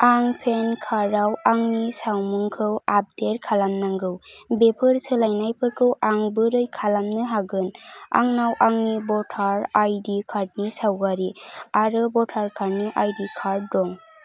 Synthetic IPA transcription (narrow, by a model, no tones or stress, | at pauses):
aŋpʰenkʰaɾawaŋnisawmuŋkʰɯwap̚deɾkʰalamnaŋɡɯwbepʰɯɾsɯlajnajpʰɯɾkʰɯwaŋbɯɾɯjkʰalamnɯɦaɡɯna̰ŋnawʔaŋnibɔtʰaɾajdikʰaɾ̚nisawɡaɾiaɾɯbɔtʰaɾkʰaɾnɯʔajdikʰaɾdɔŋ